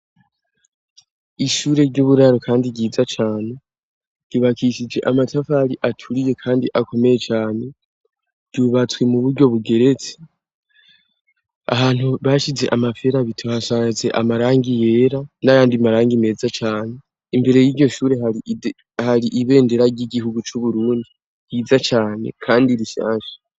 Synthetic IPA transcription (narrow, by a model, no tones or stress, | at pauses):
iʃuːɾe̞ɾɟuβuɾaɾokʰaːndiɟiːd͡zat͡ʃaːne̞ | ɾɟ̥iβakʰiʃid͡ʒe̞ʔamatʰafaɾiʔatʰuɾije̞kʰaːndiʔakʰo̞me̞je̞t͡ʃaːne̞ | ɾɟ̥uβat͡swe̞muβuɾɟo̞βuɡe̞ɾe̞t͡se̥ | a̰haːn̥huβaʃize̞̰ʔamafe̞ɾaβitʰuhasaze̞ʔa̰maɾaːŋɡije̞ːɾanajaːndimaɾaːŋɡime̞ːzat͡ʃaːne̞ | imbe̞ɾe̞jiːɾɟo̞ʃuːɾe̞ɦai | haɾiʔiβe̞ːnde̞ɾaɾɟiɟiɦuɡut͡ʃuβuɾuːndi | jid͡zat͡ʃaːne̞̰kʰaːndiɾiʃa̰ːʃe̥